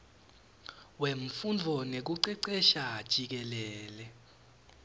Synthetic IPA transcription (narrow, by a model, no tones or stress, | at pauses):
weɱ̩fundʱɔnek̬uǀɛǀɛʃḁːʒ̥ʼʱik̬ɛlɛːlɛ